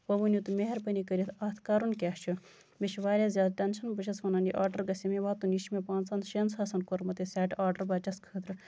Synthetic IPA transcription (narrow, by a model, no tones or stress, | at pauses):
ʋɐʋunʲjut̪umeɦɐɾpɐnikəɾʲit̪ʰɐːt̪ʰkaːɾunkʲaːt͡ʃʰu | miʃʋaːɾʲazʲjaːd̪̚ʈɐnʃɐnbɐt͡ʃʰɐsʋɐnɐniʔaːɾɖɐɾɡɐsʲimeʋaːt̪uniʃmepãːnt͡sɐnʃɐnsɐːsɐnkoɾmɐt̪esʲaːʈaːɾɖɐɾbɐːt͡ʃɐskʰət̪ɾɨ